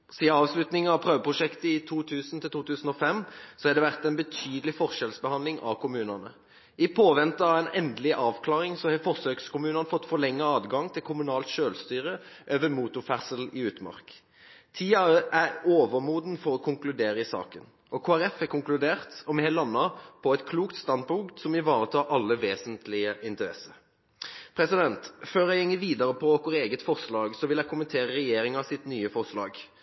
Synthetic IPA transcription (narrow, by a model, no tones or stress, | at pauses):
siːəɑːʋslʉt̪nɪŋɑʋpʰʁøːʋəpʰʁʊʂɛkt̪əɪt̪ʰuːt̪ʰʉːsnt̪ʰɪlt̪uːt̪ʰʉːsn̩ɔfɛmsɔhɑd̪ɛʋæʁt̪ɛɪnbət̪ʰyːd̪əlɪfɔʁʃɛlsbəhɑnd̪lɪŋʔɑ̰ʋkʊmʉːnənə̰ | ɪpʰoːʋɛnt̪əɑʋɛɪnɛnd̪lɪʔɑːʋkʰlɑːʁɪŋsɔhɛfɔʁsøːkskʊmʉːnənfɔt̪ːfɔʁlɛŋːəɑːd̪ɡɑŋt̪ʰɪlkʰʊmʉnɑːlt̪ʃøːlst̪yːʁə | ʔøːʋəmuːt̪ʊfæʁsəlɪʉːt̪mɑ̰ʁk | t̪ʰiːɑæoːʋəɾmuːd̪n̩fɔɾɔkʰʊŋklʉd̪eːɾəɪsɑ̰ːkən | ʔɔkʰoːæɾɛfækʊŋklʉd̪eːʁt̪ɔmɛhɛlɑnːɑpʰɔɛt̪kʰluːkt̪st̪ɑnd̪̚pʰʊŋkt̪sɔmɪʋɑːɾət̪ʰɑːɾʔɑlːəʋeːsənt̪lɪəʔɪnt̪əɾɛ̰səɾ | pʰɾɛsɪd̪ɛnt̪føːɾæɪɛŋːəʋiːd̪ɑɾəpʰɔkɔʁeːɡət̪fɔʁslɑːɡsɔʋɪlæɪkʰʊmənt̪ʰeːʁəɾɛjeːɾɪŋɑsɪt̪nyːəfɔʁslɑːɡ